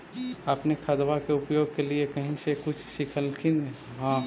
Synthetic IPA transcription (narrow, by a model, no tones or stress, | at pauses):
əpnekʰəd̪ʋakeʊpjoːɡ̚keliekəɦĩsekʊt͡ʃʰʃɪkʰəlkʰine | ɦã